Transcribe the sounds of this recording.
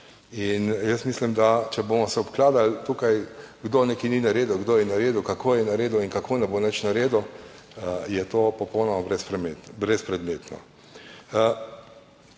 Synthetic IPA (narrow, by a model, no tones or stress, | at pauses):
injəst̪miːslimd̪at͡ʃɛbomɔsɛɔpklaːd̪alt̪uːkajɡd̪oːnekininaɾeːd̪uwɡd̪oːjɛnaɾeːd̪ukakʰoːjɛnaɾeːd̪uinkakʰoːnɛbonɛt͡ʃnaɾeːd̪u | jɛt̪oːpɔpɔwnɔmabɾɛspɾɛmebɾɛspɾɛd̪meːt̪nɔ̰